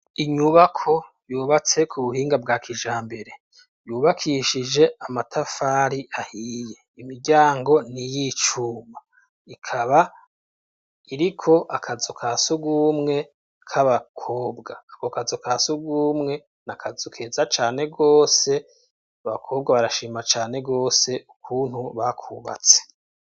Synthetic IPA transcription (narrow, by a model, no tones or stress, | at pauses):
iɲuβakʰo̞ | juːβat͡se̞kʰuβuhiːŋɡab̚ɡaːkʰiʒaːmbe̞ɾe̞ | juːβakʰiʃid͡ʒe̞amatʰafaːɾiʔahiːje̞imiɾɟaːŋɡo̞nijit͡ʃuːma | ikʰaβa | iɾikʰo̞ʔakʰazokʰasuɡuːmŋe̞ | kʰaβakʰo̞ːbɡakokazokasuɡuːmŋe̞ | nakʰazukʰezat͡ʃaːne̞ɡo̞ːse̞ | aβakʰo̞ːb̚ɡaβaɾaʃiːmat͡ʃaːne̞ɡo̞ːse̞ʔukʰuːnhuβakʰuːβa̰t͡se̥